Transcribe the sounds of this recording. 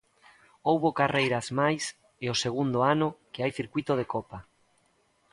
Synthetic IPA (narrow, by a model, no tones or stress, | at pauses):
owβokarejɾazmajs | ɪoseɣ̞und̪oanʊkɪajθiɾkwit̪oð̞ekɔpa